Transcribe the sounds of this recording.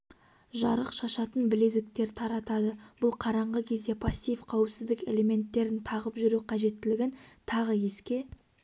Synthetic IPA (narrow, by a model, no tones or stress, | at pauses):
ʒɑɾəqʃɑʃɑt̪ənbɪle̞d̪ɪk̚t̪e̞ɾt̪ʰɑɾɑt̪ɑd̪əbʊlˠqʰɑɾɑɴʁəkʲʰe̞zd̪e̞pʰɑsʲːijfqʰɑwəpsɪzd̪ɪke̞le̞me̞nt̪ːe̞ɾɪnt̪ʰɑʁəpʒʏɾuqʰɑʒe̞t̪ːɪlɪɡʲɪnt̪ʰɑʁəje̞skʲe̞